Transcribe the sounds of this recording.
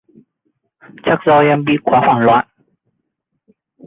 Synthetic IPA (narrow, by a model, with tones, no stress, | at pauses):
t͡ɕa˦˥k̚zɔ˧ɛ˧mɓḭ˧˨kwaː˨˦xwaː˧˩nlwa̰ː˧˥˨n